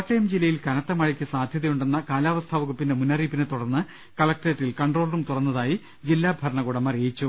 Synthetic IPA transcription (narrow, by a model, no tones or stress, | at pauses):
ʈːɐjɐmd͡ʑilːɐjilkɐnɐt̪ːɐmɐɻikʲːɨsaːd̪ʱjɐðɐjuɳɖe̞nːɐkaːlaːʋɐst̪ʰaːʋɐɣupːindemunːɐriːpːinɨt̪uɽɐrnːɨ | kɐlɐk̚ʈeʈːilkɐɳɖro̞ːlɐrumt̪urɐnːɐðaːji | d͡ʑilːaːbʱɐɾɐɳɐɣuɽɐmɐreːjit͡ɕːu